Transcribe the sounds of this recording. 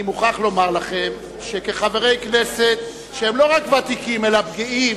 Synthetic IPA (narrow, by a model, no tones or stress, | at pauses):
imuχaχlo̞maʁlaχe̞m | ʃekeχave̞ʁe̞jknese̞t̪ | ʃeemlo̞ʁakvat̪ikimelapɡii